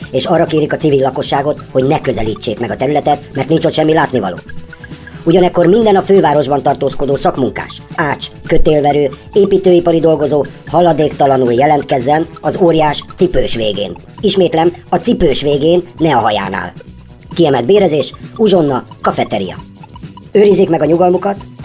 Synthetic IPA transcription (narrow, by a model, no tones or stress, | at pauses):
eːʃɒrːɒkeːɾikɒt̪sivilːɒko̞ʃːaːɡo̞t̪ho̞ɟnɛkø̞zɛliːt͡ʃːeːkmɛɡɒt̪ɛɾylɛt̪ɛt̪mɛrt̪nint͡ʃot̪ʃɛmːilaːt̪nivɒ̰lo̰ː | uɟɒnɛkːo̞rmind̪ɛnɒføːvaːɾo̞ʒbɒnt̪ɒrt̪oːsko̞d̪oːsɒkmuŋka̰ːʃaːt͡ʃkøt̪eːlvɛɾøː | eːpiːt̪øːipɒɾid̪o̞lɡo̞zoːhɒlɒd̪eːkt̪ɒlɒnuljɛlɛnt̪kɛzːɛnɒzoːɾijaːʃt̪sipøːʃʋeːɡḛːn | iʃmeːt̪lɛmɒt̪sipøːʃʋeːɡeːnːɛɒɦɒja̰ːna̰ːl | kiɛmɛld̪̚beːɾɛzeːʃuʒo̞nːɒkɒfɛt̪ɛɾḭjɒ̰ | øːɾizːeːkmɛɡɒɲuɡɒlmukɒt̪